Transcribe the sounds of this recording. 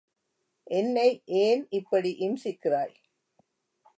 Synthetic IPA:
ʔɛnːɐɪʔeːnɪpːɐɽiʔɪmsɪkːɪraːj

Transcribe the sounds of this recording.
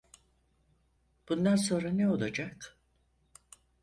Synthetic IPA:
b̥und̪ans̬o̞nɾanɛo̞lˠad͡ʒak

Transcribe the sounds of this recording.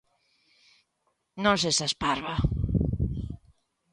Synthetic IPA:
nõs̬esaspaɾβa

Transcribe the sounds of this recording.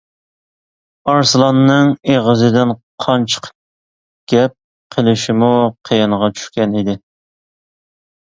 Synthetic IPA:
ɑɾsɨlˠɑnːɨŋeʁəzɨd̪ɪnqʰɑnt͡ʃʰə̥q | ɡ̥ʲɛp̚ | qʰəlˠɪʃɪmuqʰejɪɴʁɑt͡ʃʰy̥ʃkʲɛnid̪ɪ

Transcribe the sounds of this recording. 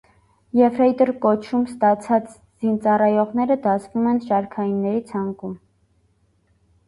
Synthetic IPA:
jɛvɾɛjt̪əɾkɔt͡ʃʰumst̪ɑt͡sʰɑt͡s | z̥int͡sɑrɑjɔʁnɛɾəd̪ɑsvumɛnʃɑɾkʰɑjinːɛɾit͡sʰɑŋkum

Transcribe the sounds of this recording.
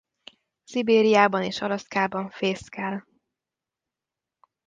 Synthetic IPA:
sibeːɾijaːbɒneːʃɒlɒskaːbɒɱfeːskɛl

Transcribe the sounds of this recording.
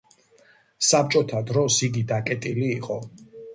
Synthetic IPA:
sap̚t͡ʃʼɔt̪ʰad̪ɾɔsiɡid̪akʼɛt̪ʼiliːqʼɔ

